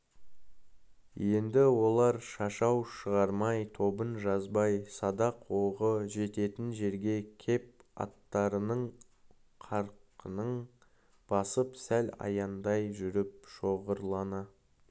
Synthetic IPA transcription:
je̞nd̪ɪwo̞lˠɑɾʃɑʃɑwʃəʁɑɾmɑjt̪ʰo̞bənʒɑzbɑjsɑd̪ɑqwoʁəʒe̞t̪e̞t̪ɪnʒe̞ɾɡʲe̞kʲʰe̞p̚ɑ̰t̪ːɑɾənəɴ | qʰɑɾqənəɴ | b̥ɑsəpsælɑ̰jɑnd̪ɑjʒʏɾɪp̚ʃo̞ʁəɾlˠɑnɑ

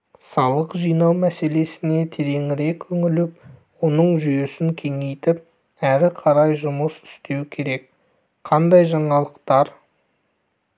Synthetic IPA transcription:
sɑlˠəqʒijnɑwmæse̞le̞sɪne̞t̪ʰeɾe̞ŋɪɾe̞kʲʰɵŋɪlɪpwo̞nəɴʒʏje̞sɪŋkʲʰe̞ŋe̞jt̪ɪp̚ | æɾɪqʰɑɾɑjʒʊməsʏ̥st̪e̞wkʲʰe̞ɾe̞k̚ | qʰɑnd̪ɑjʒɑɴɑlˠəqt̪ɑɾ

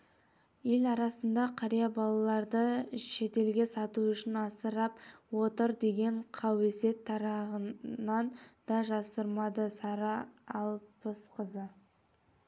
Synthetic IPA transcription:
je̞lɑɾɑsənd̪ɑqʰɑɾijɑbɑlˠɑlˠɑɾd̪əʃe̞t̪e̞lɡʲe̞sɑt̪uʏʃɪnɑsəɾɑpwo̞t̪əɾd̪e̞ɡʲe̞ɴqʰɑwe̞se̞t̪ʰːɑɾɑʁənɑnd̪̥ɑʒɑsəɾmɑd̪əsɑɾɑːlˠpəsqʰəzə

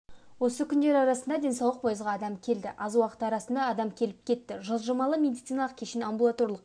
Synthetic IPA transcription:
wo̞səkʲʰʏnd̪e̞ɾɑɾɑsənd̪ɑd̪e̞nsɑwləq̚pʰojəzʁɑːd̪ɑmkʲʰe̞ld̪ɪ̰ʔɑzwɑqə̥t̪əɑɾɑsənd̪ɑːd̪ɑmkʲʰe̞lɪp̚kʲʰe̞t̪ːɪʒozʒəmɑlˠəmʲe̞d̪ijt̪sijnalˠəq̚kʲʰe̞ʃɪnambulˠat̪o̞ɾlˠəq

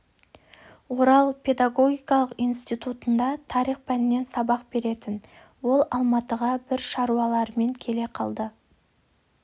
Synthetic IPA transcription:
wo̞ɾɑlˠpʰe̞d̪ɑɡo̞ɡʲijkɑlˠəqijnst̪ijt̪ut̪ənd̪ɑt̪ʰɑɾiχpænɪne̞nsɑbɑqbe̞ɾe̞t̪ɪn | wo̞lˠɑlˠmɑt̪əʁɑbɪɾʃɑɾuɑlˠɑɾəme̞ŋkʲʰe̞le̞qʰɑlˠd̪ə

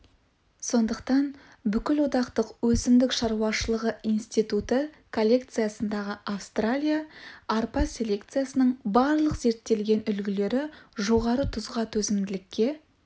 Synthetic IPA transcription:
so̞nd̪əqt̪ɑn | bʏkʲɪlwo̞t̪ɑqt̪əqwɵsɪmd̪ɪkʃɑɾuwɑʃəlˠəʁəijnst̪ijt̪ut̪ə | kʰo̞lʲːe̞k̚t̪sɨjasənd̪ɑʁəʔafst̪ralʲijaɑɾpɑsʲe̞lʲe̞kt̪sɨjasənəɴbɑɾlˠəqze̞ɾt̪ːe̞lɡʲe̞nʏlɡʲɪle̞ɾɪʒo̞ʁɑɾət̪ʰʊzʁɑt̪ʰɵzɪmd̪ɪlɪkʲːe̞

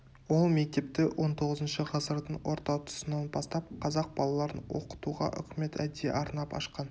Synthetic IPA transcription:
wo̞lˠme̞k̚t̪e̞p̚t̪ɪwʔo̞nt̪ʰo̞ʁəzənʃəʁɑsəɾd̪əɴwo̞ɾt̪ɑwt̪ʰʊ̥sənɑnbɑst̪ɑp̚qʰɑzɑq̚bɑlˠɑlˠɑɾənwo̞̰qə̥t̪uʁɑ̰ʔʏ̰kʲme̞t̪æd̪ḛʔɑɾnɑpɑ̰ʃqɑn

